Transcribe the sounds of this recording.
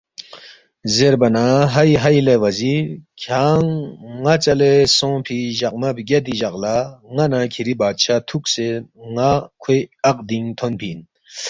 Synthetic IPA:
zeɾbɐnaɦɐjɦɐjleʋɐziɾkʰaːŋːat͡sɐlesõːpʰiʑɐq̚mɐpɡɐd̪iʑɐqlaŋɐnãkʰiɾibaːd̪̚t͡ɕʰat̪ʰukseŋakʰweɐq̚d̪iŋt̪ʰonpʰiːn

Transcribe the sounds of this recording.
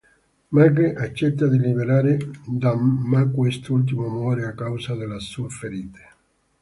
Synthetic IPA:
makeʔat͡ʃːɛt̪ːad̪ilibeɾaːɾɪd̪amːakwest̪ult̪̬imomɔːɾeakːawsad̪elasuafeɾiːt̪e̥

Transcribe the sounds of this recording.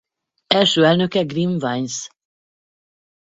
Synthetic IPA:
ɛlʃøːɛlnø̞kɛɡriɱvajns

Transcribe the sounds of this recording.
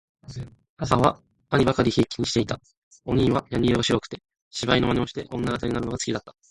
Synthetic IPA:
asaβa | aɲ̟ibakaɾʲiçeːkʲi̥ɲ̟iɕi̥t̪e̞it̪a | o̞ɲ̟ĩːβajaɲ̟ʲioɡaɕiɾokɯ̥t̪e̞ | ɕibaino̞manʲeo̞ɕi̥t̪e̞ʔõ̞nːaɡat̪aɲ̟inaɾɯno̞ɡat͡sɨ̥kʲid̪at̪ːḁ

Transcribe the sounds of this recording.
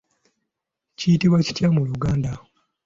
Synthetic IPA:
cijitiβwaci̥tjamuluɡaːnda

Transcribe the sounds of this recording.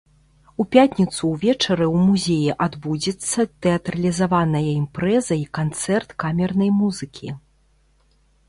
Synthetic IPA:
upʲatʲnʲit̪suwvʲɛt͡ʂɐɾɨwmuzʲejiʔad̪bud͡zʲɛt̪sːɐt̪ɛɐt̪ɾɐlʲizavanɐjɐimpɾɛzɐikant̪sɛrt̪kamʲɛrnɐjmuzɨkʲi

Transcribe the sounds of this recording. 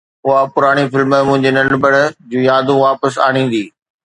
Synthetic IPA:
ʊɦapʊɾaːɽ̃ifɪlmmʊ̃ɦɪ̃ɲd͡ʑenɐ̃ɳɖbəɽd͡ʑũːjaːd̪ũʋaːpəsa̰ːɽ̃ĩːn̆d̪iː

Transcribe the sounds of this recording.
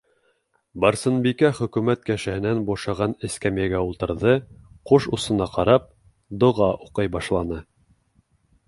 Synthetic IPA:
bɑɾsɤ̆nbikæχɵ̆kʉmæt̪̚kæʃɘ̆hɘ̆nænbuʃɑʁɑnɘ̆skæmjæɡæulˠt̪ɤ̆ɾðɤqoʃusɤ̆nɑqɑɾɑp̚ | d̪ŏʁɑʔuqɤjbɑʃlˠɑnɤ

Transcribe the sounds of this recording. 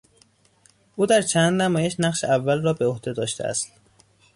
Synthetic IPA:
ʔuːd̪æɾt͡ʃʰænd̪næmɒːjeʃnæqʃeævːælrɒːbeohd̪ed̪ɒːʃt̪ḛæ̰st̪

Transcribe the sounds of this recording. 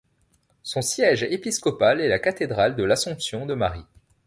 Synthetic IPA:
sɔ̃sjɛʒepiskɔpalɛlakat̪ed̪ʁald̪əlasɔ̃psjɔ̃d̪əmaʁi

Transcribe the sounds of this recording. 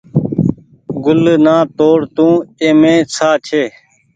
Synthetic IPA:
ɡʊlnãːt̪oːɽt̪ũːẽːmẽːt͡sʰaːt͡ʃʰeː

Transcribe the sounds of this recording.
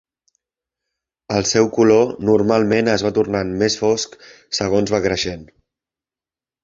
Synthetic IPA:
əlˠsɛwkulonurmalˠmenəzβat̪urnanmesfɔsk | səɣ̞onzβakɾəʃen

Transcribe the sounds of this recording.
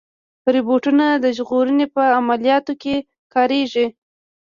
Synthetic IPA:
ɾɪboʈunad̪əʒɣoɾənepəamalijɑt̪oke | kɑɾeʒi

